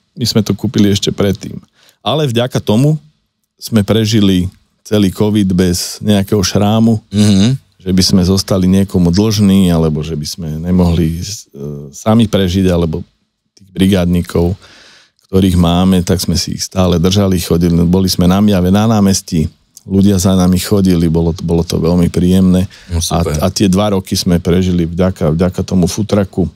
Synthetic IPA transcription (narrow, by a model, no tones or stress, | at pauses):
miz̥mɛt̪ɔkuːpiliɛʃcɛpɾɛt̪ːḭːm | alɛvɟakat̪ɔmu | z̥mɛpɾɛʒili | t͡sɛliːkɔʋid̪bɛzɲɛakɛɦɔʃɾaːmu | ʒɛbizmɛzɔst̪aliɲɪɛkɔmud̪l̩ʒniːalɛbɔʒɛbiz̥mɛɲɛmɔɦli | samipɾɛʒiɟalɛbɔ | t̪iːɣbɾiɡaːd̪ɲikʰɔʊ | kt̪ɔɾiːɣmaːmɛt̪aɡz̥mɛsiḭxst̪aːlɛd̪r̩ʒalixɔɟilibɔlizmɛnamɪjaʋɛnanaːmɛsci | luɟɪazanamixɔɟilibɔlɔbɔlɔt̪ɔ̰ʋɛlmipɾiːjɛmnɛːaa̰at̪ɪɛd̪ʋaɾɔkizmɛpɾɛʒilivɟakavɟakat̪ɔmufut̪ɾaku